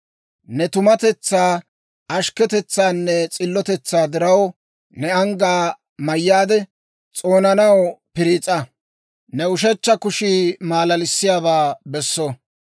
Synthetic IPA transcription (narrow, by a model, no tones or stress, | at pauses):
nɛt̪ʊmɐt̪ɛt͡sːaː | ɐʃkɛt̪ɛt͡sːaːnːɛt͡sʼɪlːɔt̪ɛt͡sːaːd̪ɪɾɐw | nɛɐŋɡaː | mɐjːaːd̪ɛ | t͡sʼo̞ːnɐnɐwpɪɾiːt͡sʼːɐ | nɛʊʃɛt͡ʃːɐkʊʃiːmaːlɐlɪsːɪjaːβaːbɛsːɔ